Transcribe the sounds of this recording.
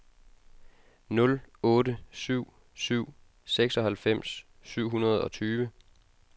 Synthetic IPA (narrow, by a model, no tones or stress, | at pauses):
nɔ̽lɔ̽ːɾəsyʊ̰ | syʊ̰ | seɡ̥sɒ̽ɦælfem̰sː | yʊ̰ɦunɐð̞ˠɒ̽t͡sʰyːʋə